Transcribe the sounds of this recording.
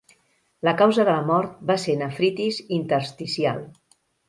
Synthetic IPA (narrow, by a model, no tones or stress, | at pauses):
ləkawzəðələmɔɾt̪̚baseɾnəfɾit̪izint̪əɾst̪isia̰lˠ